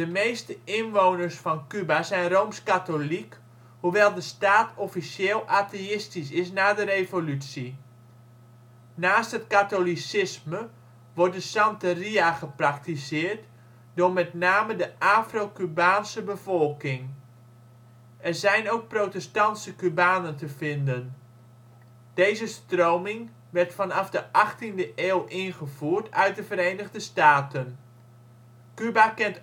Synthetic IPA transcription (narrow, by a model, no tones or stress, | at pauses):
dəmejstəɪnʋoːwnərsfɔnkybasɛjnroːmskatolik | huʋɛlˠdəstaːtɔfisjeːlˠʔaːteɪstisɪs̬naːdəɾejvolytsi | naːsthɦətkatolisɪsmə | ʋɔrdəsɑntəriaχəprak̚tisɪːrt | dʊɹmɛtnaːmədəʔaːfrowkybaːnsəbəvɔlˠkɪŋ | ʔɛrzɛjnowk̚protɛstɑntsəkybaːnəntəvɪndən | d̥ejzəstrowmɪŋ | ʋɛrtfɑnɑfdəʔɑχtindəʔeːlˠʔɪnχəvuːrtʰœɥt̚dəvəɾejnəɣdəstaːtən | kybakɛnt